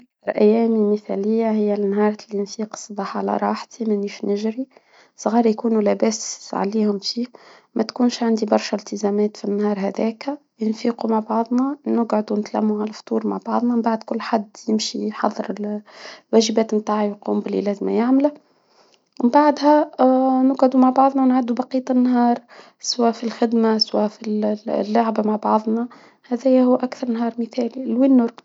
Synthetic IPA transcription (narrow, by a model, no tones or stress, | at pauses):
ʔʔækθɑɾˤʔæjːæːmiməθæ̰ːlɪjːaɦɪjːænːɦɑːɾˤɑlijɪnfiːqsˤːɑbɑːħʕa̰læ̰ɾˤɑ̰ːħt̪ʰimænːiːʃnɪʒɾi | sˤɣɑːɾˤjkuːnulæbæːsʕa̰liːhʊmfiːmæt̪kuːnʃʕand̪ibɑɾˤʃælt̪əzæmæːt̪finːhɑːɾˤɦæd̪ɛːk | jɪnfiːqumaʕbɑʕðˤnɑnʊɡʕʊd̪unɪt̪læmːuʕalæft̪ˤuːɾmaʕbɑʕðˤnɑmbaʕd̪kʊlːħad̪ːjɪmʃiħɑ̰ðˤːɨɾɪlwæːʒɪbæːt̪mt̪aːʕajquːmbɪlʔḭlæːzmæjaʕmlæ | ɪmbaʕd̪hænʊɡʕʊd̪umaʕbɑʕðˤnɑwnʕad̪ːubɑqiːt̪ˤɪnːɦɑːɾˤ | swæːfilxɪd̪maswæːfillːaʕbamaʕbɑʕðˤnɑ | hæðæjæhʊwːʔækθɑɾˤnɦɑːɾˤməθɛːlilwɪnːʊɾ